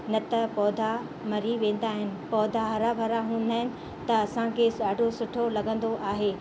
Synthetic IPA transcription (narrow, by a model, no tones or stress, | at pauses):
nɐt̪ɐpɔːd̪ʱa | mɐɾiʋẽːn̆d̪aːɦɪnɪ̆pɔːd̪ʱaɦɐɾabʱɐɾaɦũːnd̪aːɦɪnɪ̆ | t̪ɐːsãkʰeaːɖʱosʊʈʰolɐɡə̃nd̪oʔaːɦeː